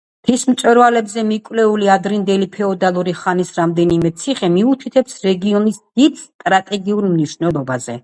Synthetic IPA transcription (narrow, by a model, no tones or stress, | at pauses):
p̪ʰismt̪sʼwɛɾvalɛbzɛmikʼwlɛuliad̪ɾind̪ɛlipʰɛɔd̪alˠuɾiχanisɾamd̪ɛnimɛt̪sʰiχɛmiut̪ʰit̪ʰɛpsɾɛɡiɔnisd̪̥id̪st̪ʼɾat̪ʼɛɡiuɾmniʃnɛlˠɔbazɛ̰